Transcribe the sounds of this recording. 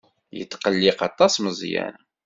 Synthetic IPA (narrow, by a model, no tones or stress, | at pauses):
jə̰t̪ːqəlːɪqɑt̪ˤːɑsməzˤjæ̰n